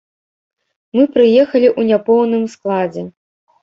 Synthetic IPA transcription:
mɨpɾɨjɛxɐlʲiʔunʲapɔwnɨmsklˠad͡zʲɛ

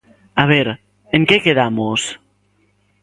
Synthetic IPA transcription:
aβ̞ɛɾ | eŋkekeðamos

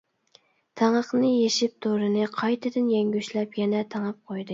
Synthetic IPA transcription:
t̪ʰæŋəqnɨjeʃɪp̚t̪ʰoɾɨnɨqʰɑjt̪ʰɨd̪ɪnjɛŋɡʲyʃlɛpjɛnɛt̪ʰæŋɑp̚qʰojd̪ɨ

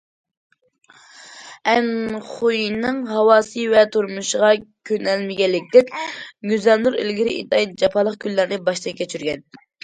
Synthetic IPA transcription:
ɛnχujinɨŋɦɑwɑːsɨvɛt̪ʰuɾmuʃʁɑkʲʰønɛlmɪɡʲɛlːɪk̚ʲd̪ɛkʲɡʲyzɑnluɾḛlɡʲiɾɪʔḭt̪ɑjt̪̚d͡ʒɑpʰɑlˠəqkʲʰylːæɾnɪbɑʃt̪ɛkʲʰɛt͡ʃʰyɾɡʲɛn

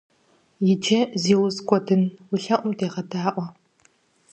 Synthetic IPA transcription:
jɪtʰeziːwʊzkʷʼɔdɨnwʊɬɐʔʷʊmdeːʁɐdaːʔʷɔ

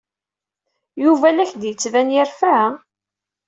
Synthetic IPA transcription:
juvælæçd̪jət͡sːvænjəɾfa

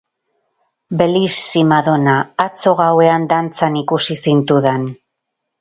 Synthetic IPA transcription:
be̞lisːimaðo̞naːt͡so̞ɣ̞awe̞and̪ant͡sanikusisint̪uðen

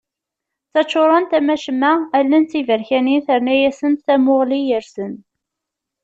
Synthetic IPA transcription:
t͡sːæt͡ʃːoɾˤɑnt̪æmæʃəmːæælːənt͡sːivəɾçæninθəɾnæjæsənt̪θæmʊʁlijəɾsən

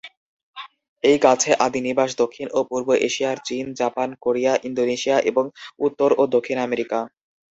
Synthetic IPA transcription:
ejɡat͡ɕʰeʔad̪iniɾbaʃd̪okʰːinʔopuɾboʔeʃijaɾt͡ɕind͡ʑapankoɾijaʔind̪oneʃijaʔeboŋut̪ːoɾod̪okʰːinameɾika

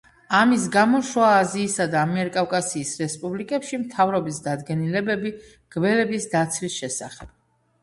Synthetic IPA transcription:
amis̬ɡamɔʃwaːziːsad̪aːmɛɾkʼawkʼasiːsɾɛspʼublikʼɛpʃimt̪ʰavɾɔbisd̪ad̪ɡɛnilɛbɛbi | ɡ̥vɛlɛbisd̪at̪sʰwisʃɛsa̰χɛb̥̚

